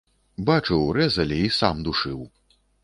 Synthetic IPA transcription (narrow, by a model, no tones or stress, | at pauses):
bat͡ʂɨwɾɛzɐlʲiisamd̪uʂɨw